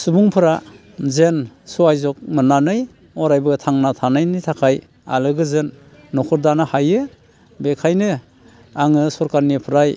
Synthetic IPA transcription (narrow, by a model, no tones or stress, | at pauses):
subuŋpʰɯɾa | zensuajzɔk̚mɯnanɯj | ɔɾajbɯtʰaŋnatʰanɯjnɯjtʰakʰaj | a̰lɯɡɯzɯnː | ɔkʰɯɾdanɯhajɯ | bekʰajnɯ | aŋɯsɔɾkaɾnipʰɯɾaj